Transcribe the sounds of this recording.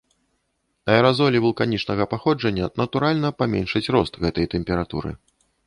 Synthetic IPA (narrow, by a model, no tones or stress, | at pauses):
ɐɛɾazɔlʲivulˠkanʲit͡ʂnɐɣɐpaxɔd͡ʐɐnʲːɐnɐt̪uɾalʲnɐpamʲɛnʂɨt͡sʲrɔst̪ɣɛt̪ɐjt̪ɛmʲpʲɛɾat̪ṵɾɨ̰